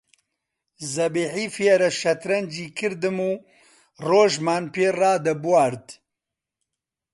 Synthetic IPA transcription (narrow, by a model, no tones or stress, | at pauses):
zɐbiːħiːfieɾɐʃɐt̪ɾɐnd͡ʒiːkʰɨɾd̪ɨmuː | roːʒmaːnpeːraːd̪ɐbuwaːɾd̪